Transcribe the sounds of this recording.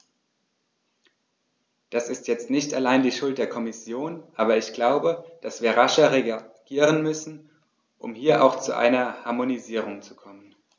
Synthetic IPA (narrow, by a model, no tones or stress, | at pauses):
d̥asɪstjɛt͡stnɪçtalaɪndiːʃʊlt̚d̥eːɐkʰɔmɪsjoːnʔaːbɐɪçɡ̥laʊbəd̥asv̥iːɐʁaʃɐʁeɡ̥iːʁ̞ənmʏsn̩ | ʔʊ̰mhiːɐʔa̰ʊxt͡suʔa̰ɪnɐhaɐmoniziːʁ̞ʊŋt͡sukʰɔmən